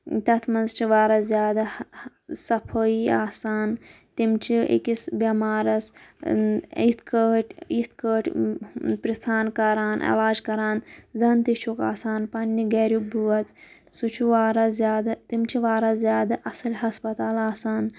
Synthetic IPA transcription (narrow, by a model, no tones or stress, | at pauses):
t̪ɐt̪ʰmɐnzt͡ʃʰiʋaːɾɐzjaːd̪a | sɐpʰoːiaːsaːn | t̪imt͡ʃʰiḛkisbʲɐmaːɾɐs | it̪ʰkəːʈʰʲit̪ʰkəːʈʰ | pɾist̪ʰaːnkɐɾaːnʔḛlaːd͡ʒkɐɾaːnzɐnt̪it͡ʃʰuːka̰ːsaːnpɐnʲːiɡeːɾjuk̚bʱuɐt͡s | sut͡ʃʰuʋaːɾɐzzʲjaːd̪at̪imt͡ʃʰiʋaːɾɐzʲjaːd̪aʔɐsɐlɦɐspɐt̪aːlaːsaːn